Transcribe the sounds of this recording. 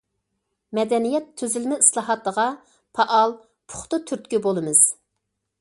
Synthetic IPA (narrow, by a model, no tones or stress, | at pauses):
mɛd̪ɛnijɛt̪ʰːøzylmɪislˠɑɦɑt̪lˠəʁɑ | pʰɑʔɑlˠ | pʰʊ̥χt̪ʊt̪ʰyɾt̪̚kʲybolˠɨmɨz̥